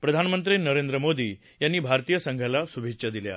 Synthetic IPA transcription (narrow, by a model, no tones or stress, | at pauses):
pɾəd̪ʱanmənt̪ɾinəɾend̪ɾəmod̪iː | janːiːbʱaɾt̪ijəsə̃ŋɡʱjalasubʱikɕəd̪ilja̰